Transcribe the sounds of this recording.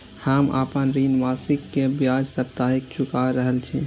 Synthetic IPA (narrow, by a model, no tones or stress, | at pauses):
həma̰pənɾinʋasikːebjad͡ʒsəp̚t̪aɦik̚t͡ʃʰukaɾəɦəlt͡ʃʰi